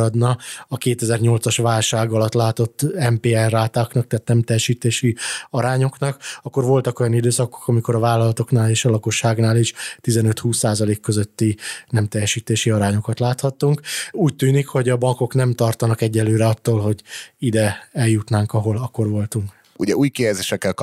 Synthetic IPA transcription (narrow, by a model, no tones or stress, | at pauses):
ɾɒd̪nɒɒkeːt̪ɛzɛrɲo̞lt̪sɒʃʋaːlʃaːɡɒlɒt̪laːt̪o̞t̪ːɛmpeːɛrːaːt̪aːknɒkt̪aːt̪nɛmt̪ɛjɛʃiːt̪eːʃiɒɾaːɲo̞knɒkɒkːo̞rvo̞lt̪ɒko̞jɒnid̪øːsɒko̥kɒmiko̞ɾɒvaːlɒlɒt̪o̞knaːleːʃɒlɒko̞ʃːaːɡnaːliʃt̪izɛnø̞t̪huːsːaːzɒleːkːøzø̞t̪ːinɛmt̪ɛjɛʃiːt̪eːʃiɒɾaːɲo̞kɒt̪laːt̪hɒt̪ːuŋkuːc̚t̪yːnikho̞ɟɒbɒŋko̞knɛmt̪ɒrt̪ɒnɒkɛɟːɛlːøːɾɛɒt̪ːoːlɦo̞ɟid̪ɛɛljut̪naːŋkɒɦo̞lɒkːo̞rvo̞lt̪uŋk | ṵɟɛuːjkijɛzeːʃɛkːɛlk